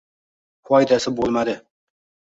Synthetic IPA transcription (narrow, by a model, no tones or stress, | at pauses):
hɑjd̪æsɪbolˠmad̪ɪ